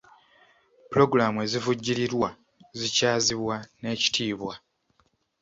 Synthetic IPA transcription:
pulo̞ɡuɾamue̞zivuɟːiɾiɾwa | zicaːziβwane̞ːci̥tʰiːβwa

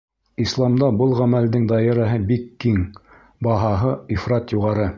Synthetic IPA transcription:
islˠɑmd̪ɑbɤlˠʁæmæld̪ɘŋd̪ɑjɑ̆ɾɑɦɤbikːiŋ | bɑɦɑɦɤifɾɑt̪juʁɑɾɤ

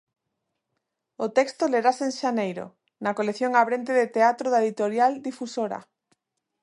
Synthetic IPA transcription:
ot̪ɛkst̪oleɾaseŋʃanejɾo̰ | nakoleθjoŋaβɾent̪eðet̪eat̪ɾoðaeðit̪oɾjald̪ifusoɾa̰

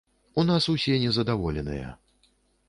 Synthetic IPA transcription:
unasusʲɛnʲɛzɐd̪avɔlʲɛnɨ̰jɐ̰

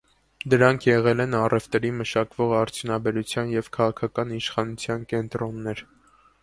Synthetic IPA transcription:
d̪əɾɑŋkʰjɛʁɛlɛnɑrɛvt̪ɛɾiməʃɑkvɔʁɑɾt͡sʰjunɑbɛɾut͡sʰjɑnjɛvkʰɑʁɑkʰɑkɑniʃχɑnut͡sʰjɑnkɛnt̪ɾɔnːɛɾ

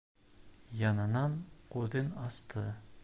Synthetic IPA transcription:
jɑnɤ̆nɑɴquðɘnɑst̪ʰɤ

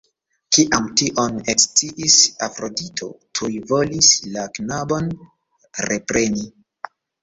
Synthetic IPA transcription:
kiʔamtiʔo̞nekst͡siʔisa̰fɾo̞ditʰo̞̰tʰujvo̞lislaknabon | ɾḛpɾe̞ni

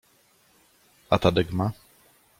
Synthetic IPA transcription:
at̪ad̪ɪɡma

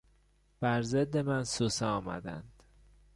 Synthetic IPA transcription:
b̥æɾzed̪ːe̞mænsosɛɒːmæ̰d̪æ̰nd̪̥

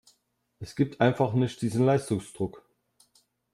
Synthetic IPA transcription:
ʔɛsɡ̥iːp̚tʰʔaɪnfaχnɪçt̚d̥iːzn̩laɪstʊŋsd̥ʁʊk

